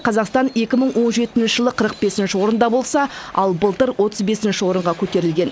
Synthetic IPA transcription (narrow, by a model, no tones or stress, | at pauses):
qʰɑzɑqst̪ɑne̞kʲɪməɴwo̞nʒe̞t̪ːɪnʃɪʒəlˠəqʰəɾəq̚be̞sɪnʃɪwo̞ɾənd̪ɑbo̞lˠsɑɑ̰lˠbəlˠt̪əɾwʔo̞t̪əzbe̞sɪnʃɪwo̞ɾəɴʁɑkʲʰɵt̪e̞ɾɪlɡʲe̞n